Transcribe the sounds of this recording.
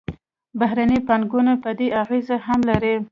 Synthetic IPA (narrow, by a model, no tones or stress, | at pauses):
baɦɾanipanɡunapəd̪eaɣezahamlaɾi